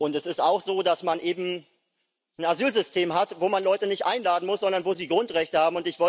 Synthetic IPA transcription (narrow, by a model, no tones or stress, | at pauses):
ʔʊntɛsɪstaʊxz̥oːdasmanʔeːbm̩ | n̩azyːlzʏstʰeːmɦatvoːmanlɔʏtənɪçtʔaɪnlaːdn̩mʊsz̥ɔndɐnvoːziːɡʁʊntʁɛçtəhaːbm̩ʊntɪçv̥ɔ